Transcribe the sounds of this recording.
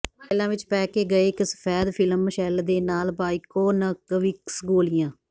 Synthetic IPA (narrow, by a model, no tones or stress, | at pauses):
aːɪlãːʋɪt͡ʃpɛːkeːɡəeːɪksə̥pʰɛːd̪pʰɪləmʃɛːld̪eːnaːlbaːikoːnəkʋiksɡoːlɪjãː